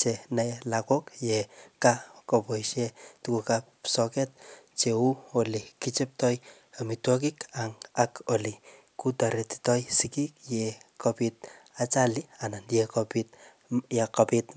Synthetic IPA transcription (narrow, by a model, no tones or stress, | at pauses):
t͡ʃenalakɔkjɛkakopoiʃetukukapsɔkɛt̚t͡ʃeuolikit͡ʃep̚tɔj | amitwɔk̬ikaŋakoli | kutaɾeti̥tɔjsikik̚jɛkopit̚ | at͡ʃalianandjɛkopit̚ | jekapit